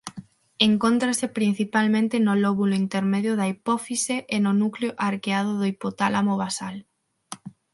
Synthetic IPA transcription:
eŋkont̪ɾasepɾin̟θipalmẽnt̪enolɔβuloint̪eɾmeðjoðaipɔfiseʔːnʊnukleoʔaɾkeað̞ʊðoipot̪alamoβasal

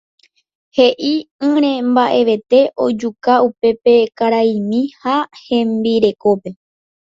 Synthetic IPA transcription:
he̞ʔiɨ̃ɾ̃ẽ̞mbaʔe̞ʋe̞t̪e̞ʔo̞d͡ʒukaupe̞pe̞kaɾaimĩhahẽ̞mbiɾe̞ko̞pe̞

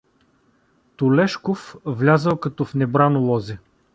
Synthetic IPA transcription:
t̪ʊlɛʃkofvlʲazəlˠkɐt̪ɔfnɛbɾanolˠɔzɛ

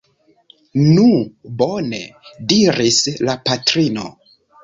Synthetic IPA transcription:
nubo̞ne̞̰diɾislapatɾino̞̰

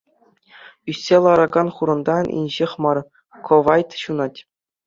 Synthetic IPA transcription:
ysʲːelˠɑɾɑɡɑnχuɾɤ̆nd̪ɑnʲḭnʲʑeχʲmɑr | kʰoʋɑjt̪ɕunɑtʲ

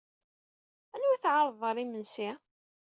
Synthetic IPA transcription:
ænuæθʕɑɾˤðˤəɾˤimənsi

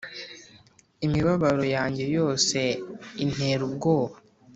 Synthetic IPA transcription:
imiβaβaɾo̞jaːɲɟe̞jo̞ːse̞in̥eɾubɡo̞ːβa

